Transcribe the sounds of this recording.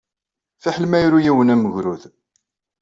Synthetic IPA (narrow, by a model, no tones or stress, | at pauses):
fiħəlmæjɾujiwənæməʝɾuð